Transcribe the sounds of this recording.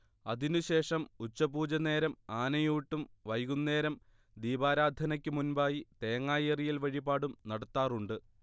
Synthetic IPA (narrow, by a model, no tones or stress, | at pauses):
ɐðinuɕe̞ːʂɐmut͡ɕːɐbuːd͡ʑɐne̞ːɾɐmaːnɐjuːʈːumʋɐjɣunːe̞ːɾɐm | d̪iːbaːɾaːd̪ʱɐnɐkʲːɨmunbaːjit̪e̞ːŋːaːjɐrijilʋɐɻibaːɽumnɐɽɐt̪ːaːruɳɖɨ